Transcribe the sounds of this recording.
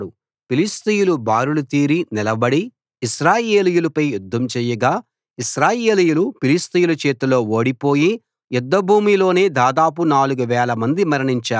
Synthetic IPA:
ɽu | pilist̪ijulubaːɾulut̪iːɾinilɐbɐɽi | iʃɾaːjeːlijulɐpɐjːjud̪ʱːɐmt͡ʃɛːjɐɡaː | iʃɾaːje̞ːlijulupilist̪ijulɐt͡ʃeːt̪ulo̞ːo̞ːɽipo̞ːji | jɛd̪ːɐbʱuːmilo̞ːne̞ːd̪aːd̪aːp̬unaːluɡuʋɛːlɐmɐnd̪imɐɾɐɳiɲt͡ʃaː

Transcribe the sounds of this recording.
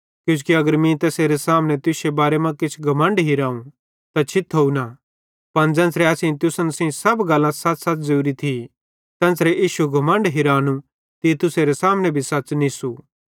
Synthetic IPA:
kjũːkiɐɡəɾmĩt̪ɛːseɾesaːmnɛ̃t̪ʊsebaːɾemãkɪt͡ʃʰɡʱɐmə̃ɳɖɦɪɾaːũ | t̪at͡ʃʰɪt̪ʰɦouna | pɐnd͡ʒɛ̃ːnsɾɛɐsĩt̪ʊsənsĩsɐbɡɐlːãsɐsɐt͡sd͡ʒuːɾit̪ʰi | t̪ɛ̃ːnsɾɛʔiːʃuɡʱɐmə̃ɳɖɦɪɾaːnũ | t̪it̪ʊseɾesaːmnɛ̃bʱisɐt͡ʃnĩsu

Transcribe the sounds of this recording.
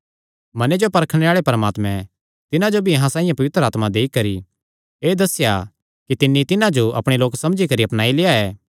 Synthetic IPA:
mɐned͡ʒopɐɾkʰɽ̃eaːɭepɐɾəmaːt̪mɛ̃ | t̪ɪnãd͡ʒobʱiɐɦãsaːĩjãpɐʋɪt̪ɾəaːt̪mad̪eːikɐɾi | eːd̪ɐsːɪja | kit̪ɪnːit̪ɪnãd͡ʒoʔɐ̰pɽ̃eloːksɐmd͡ʒikɐɾiɐpnaːileːaɛː

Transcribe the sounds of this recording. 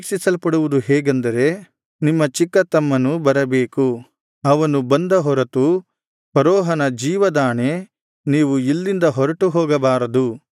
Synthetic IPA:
ksisɐlpɐɽuʋud̪uɦɛːɡɐnd̪ɐɾe̞ | nimːɐt͡ʃikːɐt̪ɐmːɐnubɐɾɐbeːku | ɐʋɐnubɐnd̪ɐɦɔɾɐt̪u | pɐɾɔːɦɐnɐd͡ʒiːʋɐd̪aːɳe | niːʋuilːind̪ɐɦɔɾɐʈuɦɔːɡɐbaːɾɐd̪u

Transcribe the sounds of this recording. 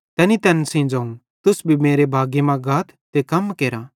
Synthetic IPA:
t̪ɛːnit̪ɛːnsĩːnd͡ʒaːũ | t̪ʊsbʱimeːɾebʱaːɡemãɡaːt̪ʰ | t̪ekɐmkeːɾaː

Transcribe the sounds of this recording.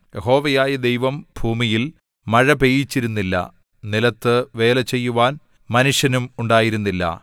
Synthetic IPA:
jeho̞ːʋɐjaːjɐd̪e̞jʋɐmbʱuːmijil | mɐɻɐpe̞ːjit͡ɕːiɾunːilːɐ̰ | nilɐt̪ːɨʋe̞ːlɐt͡ɕːe̞jːuʋaːn | mɐnuʂjɐnumuɳɖaːjiɾunːilːɐ̰

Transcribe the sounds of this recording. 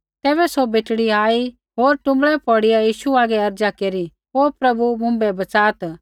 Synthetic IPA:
t̪ɛːβɛsobeːʈɽiaːi | ɦoːɾʈʊ̃mbɭɛpɔːɽijajiːʃuaːɡɛɐɾd͡ʒakeːɾi | ɦoːpɾɐbumʊ̃mbɛbɐt͡saːt̪

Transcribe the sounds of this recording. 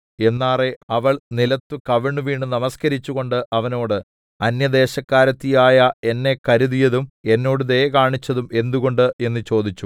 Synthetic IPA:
e̞nːaːre̞ɐʋɐɭnilɐt̪ːukɐʋiɳːɨʋiːɳːɖɨnɐmɐskɐɾit͡ɕːuɣo̞ɳɖɨʔɐʋɐno̞ːɽɨ | ɐnjɐd̪e̞ːɕɐkːaːɾɐt̪ːijaːjɐe̞nːe̞kɐɾuðijɐðume̞nːo̞ːɽuðe̞kaːɳit͡ɕːɐðume̞nd̪uɣo̞ɳɖɨe̞nːɨt͡ɕo̞ːd̪it͡ɕːu

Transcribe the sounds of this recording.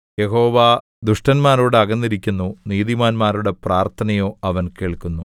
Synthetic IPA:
je̞ɦo̞ːʋa | d̪uʂʈɐnmaːɾoːɽeɐɣɐnːiɾikʲːunːuniːðimaːnmaːɾuɽe̞praːrt̪ʰɐnɐjo̞ːɐʋɐnkeːɭkunːu

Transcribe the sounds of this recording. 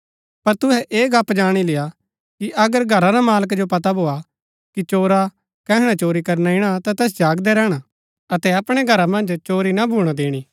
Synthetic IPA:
pɐɾt̪ʊɦɛʔeːɡaːpd͡ʒaːɽ̃ilɪja | kiʔɐɡəɾɡʱɐɾaɾamaːləkd͡ʒopɐt̪abʱoːa | kit͡ʃoːɾa | kɛːɦɽ̃at͡ʃoːɾikɐɾnaɪɽ̃at̪at̪ɛːs̬d͡ʒaːɡd̪ɛɾɛːɽ̃a | ɐt̪ɛɐpɽ̃ɛɡʱɐɾamɐ̃nd͡ʒt͡ʃoːɾinabʱuːɽ̃ad̪eːɽ̃iː

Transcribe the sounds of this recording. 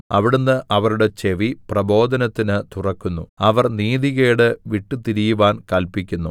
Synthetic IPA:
ɐʋiɽunːɨʔɐʋɐɾuɽe̞t͡ɕeʋiprɐbo̞ːd̪ɐnɐt̪ːinɨt̪urɐkːunːuɐʋɐrniːd̪iɣeːɽeʋiʈːɨt̪iɾijuʋaːnkɐlpikʲːunːu

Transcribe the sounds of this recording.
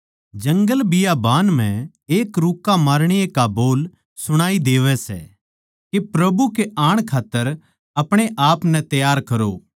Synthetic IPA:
d͡ʒɐ̃ŋɡəlbɪjabaːnm̤ɛ̃ | eːkɾuːkːamaːɾɽ̃ɪjekaboːl | sʊɽ̃aːid̪eːʋɛsɛ̰ | kepɾɐbukeaːɽ̃kʰaːt̪ːəɾ | ɐpɽ̃eʔaːpnɛ̃t̪ɐjaːɾkɐɾoː

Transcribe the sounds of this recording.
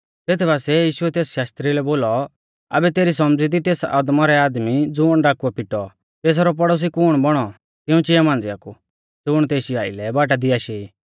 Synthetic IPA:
t̪eːt̪ʰɛbaːsɛjiːʃʊɛt̪eːsʃaːst̪ɾilɛboːlɔ | ɐ̰bɛt̪eːɾis̬ɔmd͡zid̪it̪eːsa̰ːd̪maɾɛaːd̪mid͡zʊɽ̃ɖaːkuɛpɪʈɔ | t̪eːs̬aɾɔp̬ɔɽɔs̬ikuɽ̃bɔɽ̃ɔ | t̪ɪũt͡ʃɪjamãːnd͡zɪja̰ku | d͡zʊɽ̃t̪eːʃia̰ːɪ̰lɛbaːʈ̬ad̪ɪaːʃeiː

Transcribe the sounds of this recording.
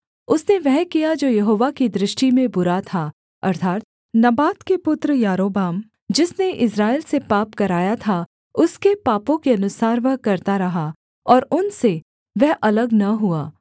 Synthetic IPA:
ʊsneʋɛɦkijad͡ʒoːjɐɦoːʋakid̪ɾɪʃʈimẽbʊɾat̪ʰa | ɐ̰ɾt̪ʰaːt̪̚ | nɐbaːt̪kepʊt̪ɾəjaːɾoːbaːm | d͡ʒɪsneʔɪsɾaːɪlsepaːpkɐɾaːjat̪ʰa | ʊskepaːpõkeɐnʊsaːɾʋɐɦkɐɾt̪aɾɐɦa | ɔːɾʊnse | ʋɛɦʔɐləɡnɐɦuaː

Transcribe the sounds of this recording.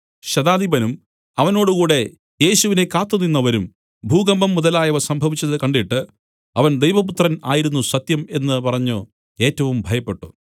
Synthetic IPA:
ɕɐd̪aːd̪ʱibɐnum | ɐʋɐno̞ːɽukuːɽe̞ | je̞ːɕuʋine̞kaːt̪ːunːinːɐʋɐɾum | bʱuːɡɐmbɐmːuðɐlaːjɐʋɐsɐmbʱɐʋit͡ɕːɐðɨkɐɳɖiʈːɨ | ɐʋɐnd̪ejʋɐp̬ut̪rɐnaːjiɾunːusɐt̪jɐme̞nːɨpɐrɐɲːu | e̞ːtːɐʋumbʱɐjɐpːe̞ʈːu

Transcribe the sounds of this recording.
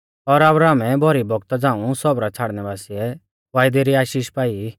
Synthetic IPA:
ɔɾabɾaːmɛbʱɔɾibɔɡt̪ɔd͡zãːũsɔbɾat͡sʰaːɽnɛbaːsiɛ | ʋaːɪd̪eɾiaːʃiːʃpaːi

